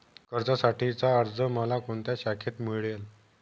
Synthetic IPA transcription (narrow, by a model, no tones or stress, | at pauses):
kəɾd͡zasaʈit͡saəɾd͡zəməlakoɳt̪jaɕakʰet̪miɭjel